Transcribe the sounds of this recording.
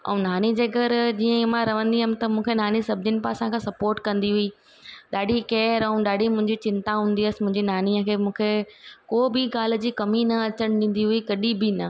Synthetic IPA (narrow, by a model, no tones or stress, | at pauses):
ɛ̰̃ũnaːnid͡ʑeːɡəɾd͡ʑiːə̃mãɾɐʋ̤ə̃nd̪iɦəmɪ̆t̪ɐmũːkʰenaːnisɐb̚ʱd͡ʑɪnɪ̆paːsãkʰãːsɐpoːɾʈkɐ̃nd̪iɦʊi | ɗaːɖʱikeːɾɛũɗaːɖʱimʊ̃ɦɪ̃ɲd͡ʑit͡ɕɪ̃nt̪aɦũːnd̪iɐsɪ̥̆mʊ̃ɦɪ̃ɲd͡ʑinaːniəkʰeːmũːkʰekoːbɪɡaːl̤̆d͡ʑiːkɐminɐɐt͡ɕəɽ̃ɗɪ̃ːn̆d̪iɦʊikɐɗibɪnɐ